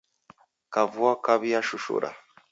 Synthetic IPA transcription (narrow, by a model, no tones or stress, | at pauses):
kavuakaβijaʃuʃṵɾʔa̰